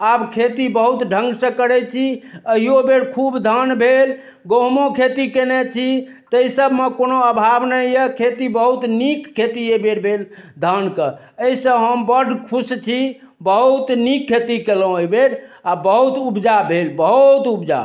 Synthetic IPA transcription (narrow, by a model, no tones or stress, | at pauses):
abkʰet̪ibəɦut̪ɖʱə̃ŋɡsə̃kəɾɛt͡ʃʰiəɦijobeɽkʰubd̪ʱənbʱel | ɡoɦmõkʰet̪ikenɛt͡ʃʰi | t̪əisəbʱmekonoəbʱabnəjjɛkʰet̪ibəɦut̪nikkʰːet̪iebeɾbʱeld̪ʱənkə | eisə̃ɦəmbəɖʱkʰust͡ʃʰi | bəɦut̪nikʰːet̪ikelõojbeɽabəɦut̪ubd͡ʒabʱelbəɦut̪ubd͡ʒa̰